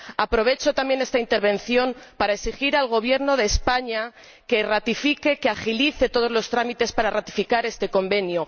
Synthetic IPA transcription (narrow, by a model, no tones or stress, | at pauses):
apɾo̞β̞e̞t͡ʃo̞t̪ambje̞ne̞st̪aint̪e̞ɾβẽ̞nθjo̞mpaɾaeksixiɾalɣ̞o̞β̞je̞ɾno̞ð̞e̞ːspaɲa | ke̞rat̪ifike̞keaxiliθe̞t̪o̞ð̞o̞zlo̞st̪ɾamit̪e̞spaɾarat̪i̥fikaɾe̞st̪e̞ko̞mbe̞njo